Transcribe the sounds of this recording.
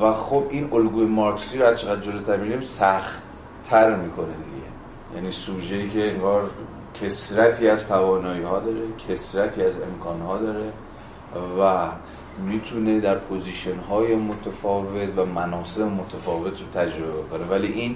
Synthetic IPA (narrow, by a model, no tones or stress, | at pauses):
væxobʔinolɡuːjemɒɾksiːɾohæzt͡ʃʰeɣæd̪̚d͡ʒolot̪ʰæɾmiɾimsæxt̪ | t̪ʰæɾmiːkʰo̞ned̪ḭɟe̞̰ | jæ̰niːsuːʒeiːcʰeeŋɡɒːɾ | cʰe̞sɾæt̪ʰiːæzt̪ʰævɒːnɒːiːhɒːd̪ɒːɾe̞cʰe̞sɾæt̪ʰiːæze̞mkʰɒːnhɒːd̪ɒːɾe | væ | miːt̪ʰune̞d̪æɾpʰoziːʃonɦɒːjemot̪ʰefɒːve̞t̪væmænɒːse̞bemo̞t̪ʰefɒːve̞t̪ʰɾot̪ʰæd͡ʒɾo̞boko̞nevæliʔin